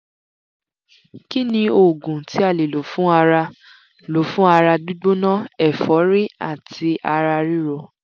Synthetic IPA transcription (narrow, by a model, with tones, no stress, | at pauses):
ki˦nĩ˧o˨ɡũ˨ti˨˦a˦˨le˨lo˨fũ˦a˧ɾa˧ | lo˨fũ˦a˧ɾa˧du˦ɡ͡bo˦nã˦ɛ˦˨fɔ˨˦ɾi˦a˦˨tʰi˧a˧ɾa˧ɾi˦ɾo˧˨